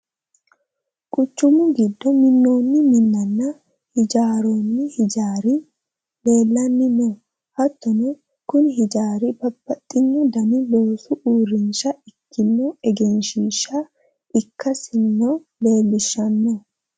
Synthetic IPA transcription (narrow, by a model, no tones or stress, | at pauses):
kʼʊt͡ʃːʊmʊɡɪd̪ːɔmɪnːo̞ːnːɪmɪnːɐnːɐ | hɪd͡ʒaːɾoːnːɪhɪd͡ʒaːɾɪ | le̞ːlːɐnːɪnɔ | hɐt̪ːɔnɛ | kʊnɪɦɪd͡ʒaːɾɪbɐpːɐt̪ʼːɪɲːɔd̪ɐnɪlo̞ːsʊʔuːrɪnʃɐɪkːɪnːɔɛɡɛnʃiʃːɐ | ʔɪkːɐsɪnːɔ | le̞ːlːɪʃːɐnːɔ